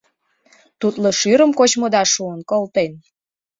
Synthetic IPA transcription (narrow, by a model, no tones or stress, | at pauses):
t̪ut̪loʃyɾəmkot͡ɕmod̪ɑʃuənkolt̪en